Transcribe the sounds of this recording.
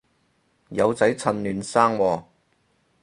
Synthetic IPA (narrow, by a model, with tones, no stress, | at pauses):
jɐ˨˧wt͡sɐ˨˥jt͡sʰɐ˧nlyː˨nsaː˥ŋwɔː˧